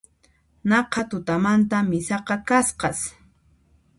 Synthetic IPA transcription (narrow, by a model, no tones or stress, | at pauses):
nɑqʰɑt̪ʊt̪amant̪amɪsɑqɑkasqɑs